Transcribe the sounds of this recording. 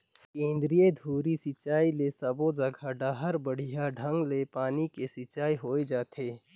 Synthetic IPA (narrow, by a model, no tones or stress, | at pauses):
kẽːnd̪ɾijed̪ʱuːɾisɪt͡ʃaːilesɐbõd͡ʒɐɡʱaɖaɦəɾbəɽ̤ijaɖʱɐ̃ŋɡlepaːnikesɪt͡ʃaːiɦoːed͡ʒaːt̪ʰeː